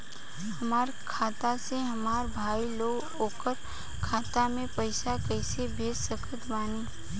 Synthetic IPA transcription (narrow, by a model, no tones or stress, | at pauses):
hɐmaːɾkʰaːt̪aseɦɐmaːɾbʱaːiloːɡ | oːkəɾ | kʰaːt̪amẽpəɪsakɛɪsebʱeːssəkʰət̪baːni